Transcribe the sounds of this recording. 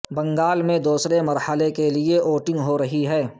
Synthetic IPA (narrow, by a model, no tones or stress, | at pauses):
bɐ̃ŋɡaːlmẽd̪uːsɾemɐɾhəlekelieʔoːʈɪ̃ŋɡɦoɾɐɦiɦɛː